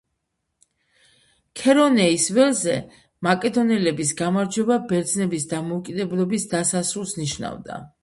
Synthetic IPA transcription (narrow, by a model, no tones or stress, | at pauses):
kʰɛɾɔnɛisvɛlzɛ | makʼɛd̪ɔnɛlɛbis̬ɡamaɾd͡ʒwɛbabɛɾd̪znɛbisd̪amɔːkʼid̪ɛblˠɔbisd̪asasɾulˠsniʃna̰vd̪a̰